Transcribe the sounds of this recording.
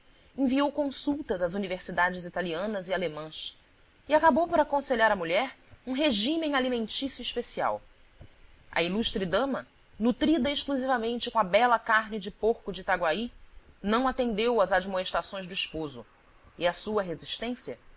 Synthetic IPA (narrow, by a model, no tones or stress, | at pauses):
ẽviowkõsuwt̪ɐzɐzuniveɾsid̪ad͡ʒɪzit̪aliɐ̃nɐzialemɐ̃s | ɪakabowpoɾakõseʎaɾɐmuʎɛɾũɦeʒĩmẽj̃alimẽnt͡ʃisjʊiʃpesia̰w | ɐ̰iluʃt̪ɾɪd̪ɐ̃mɐ | nut̪ɾid̪ɐeʃkluzivɐmẽnt͡ʃɪkõɐbɛlɐkaɾnɪd͡ʒɪpoɾkʊd͡ʒɪt̪aɡwainɐ̃w̃at̪ẽnd̪ewɐzad͡ʒmoeʃt̪ɾasõj̃zd̪ʊiʃpozʊ | ɪɐsuɐɦeziʃt̪ẽsiɐ